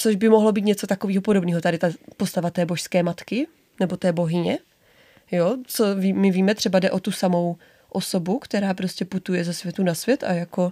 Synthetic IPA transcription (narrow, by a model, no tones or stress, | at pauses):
t͡soʒbɪmoɦlo̞biːt̪ɲɛt͡so̞t̪akoviːɦopodobniːɦot̪adɪt̪apo̞st̪avat̪ɛːboʃskɛːmat̪kɪ | nɛbo̞t̪ɛːbo̞ɦɪɲɛ | jot͡soviːmɪviːmɛt̪r̥ɛbadɛʔot̪usamo̞w | ʔoso̞bukt̪ɛɾaːpɾoscɛput̪ujɛzɛsvjɛt̪unasvʲjɛt̪ʔa̰jako̞